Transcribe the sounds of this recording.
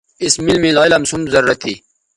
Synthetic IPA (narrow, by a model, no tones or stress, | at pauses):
ismilmilaːjlɐmsumzɐɾɾɐt̪ʰːi